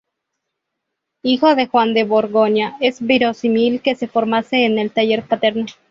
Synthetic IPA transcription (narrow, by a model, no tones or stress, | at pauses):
ixo̞ðe̞xwand̪eβoɾɣoɲaezβiɾo̞similke̞se̞foɾmase̞ːne̞lt̪aʝe̞ɾpat̪eɾno